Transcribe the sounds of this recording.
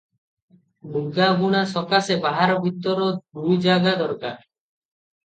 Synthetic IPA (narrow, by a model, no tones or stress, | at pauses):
muɡaɦuɽ̃asɔkasebaɦaɾɔbʱit̪ːɔɾɔd̪ujd͡ʒaɡad̪ɔɾkaɾ